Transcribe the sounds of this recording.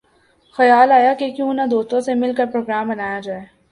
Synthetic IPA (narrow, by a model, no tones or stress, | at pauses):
xɐjaːlaːjakekjũːnad̪oːst̪õsemɪlkəɾpɾoːɡɾaːmbɐnaːjad͡ʒaːeː